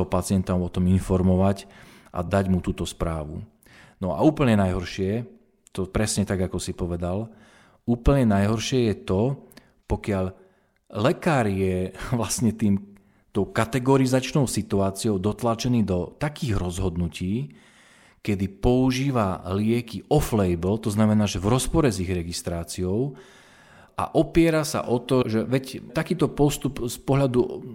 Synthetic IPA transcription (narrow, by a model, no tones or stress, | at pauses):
ɦɔpat͡sɪɛnt̪aɔt̪ɔminfɔɾmɔʋac | ʔa̰d̪aɟmut̪uːt̪ɔspɾaːʋṵ | nɔa̰uːpl̩ɲɛnajɦɔɾʃɪɛ | t̪ɔpɾɛsɲɛt̪aɡakɔsipɔʋɛd̪al | uːpl̩ɲɛnajɦɔɾʃɪɛjɛt̪ɔ | pɔkɪaʎ | lɛkaːɾjɛʋlasɲɛt̪iːm | t̪ɔʊkat̪ɛɡɔɾizat͡ʃnɔʊsit̪uaːt͡siɔʊd̪ɔt̪lat͡ʃɛniːd̪ɔt̪akiːɣɾɔzɦɔd̪nuciː | kɛd̪ipɔuʒiːʋalɪɛkiɔflɛjblt̪ɔznamɛnaːʒɛvɾɔspɔɾɛziɣɾɛɡist̪ɾaːt͡siɔʊ | ʔa̰ʔɔpɪɛɾasa̰ʔɔt̪ɔʒɛʋɛct̪akiːt̪ɔpɔst̪upspɔɦʎad̪u